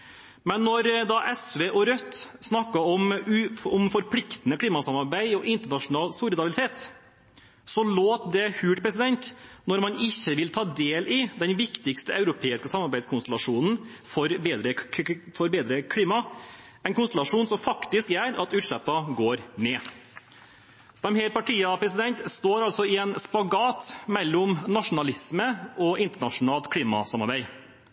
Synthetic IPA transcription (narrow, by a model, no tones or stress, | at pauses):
mɛnːɔɾd̪ɑʔɛsʋeːʔɔɾœt̪ːsnɑkːɑɔmʉʊmfɔɾpʰlɪkt̪nəkʰliːmɑsɑmɑɾbæɪɔʔɪnt̪əɳɑʂʊnɑːlsuːɾɪd̪ɑbɪlɪt̪ʰeːt̪ | sɔloːt̪d̪ɛhʉːʈpʰɾɛsɪd̪ɛnt̪nɔɾmɑnɪçːəʋɪlt̪ʰɑːd̪eːlʔɪd̪ɛnʋɪkt̪ɪkst̪əʔɑʉɾʊpʰeːɪskəsɑmɑɾbæɪskʰʊnst̪əlɑʂuːnn̩ | fɔɾbeːd̪ɾəfɔɾbeːd̪ɾəkʰɽiːmɑ | ɛnkʊnst̪l̩ɑʂuːnsɔmfɑkt̪ɪskjæːɾɑt̪ʉːt̪ʂɭɛpːɑɡoːɾmɛː | d̥̪ɛmhɛɾpɑʈʰiːɑpʰɾɛsɪd̪ɛnt̪st̪oːɾɑlsɔɪɛnspɑɡɑːt̪mɛlːʊmnɑʂʊn̩ɑlɪsməɔɪnt̪əɳɑʂʊnɑːlt̪kʰliːmɑ̰sɑmɑɾbæɪ